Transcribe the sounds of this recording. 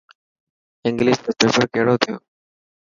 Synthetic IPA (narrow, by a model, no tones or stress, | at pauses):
ɪ̃ŋɡliːʃt̪oːpeːpəɾkeɦɪɽoːt̪ʰɪjoː